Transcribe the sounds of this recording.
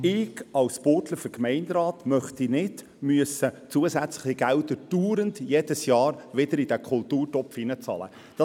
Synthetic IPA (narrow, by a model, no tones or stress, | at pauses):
ɪɡɑlspoːtləføɾkmɛɪndɾɑːt̪mœχt̪inɪd̥ | myəsət͡suəsæt͡slɪ̥χiɡ̥æld̪əd̥uːɾəndjɛd̥əsjɑːɾʋɪdəɾid̥ækʰʊltuːɾtɔpfinət͡sɑ̰ːlə̰ | d̥ɑ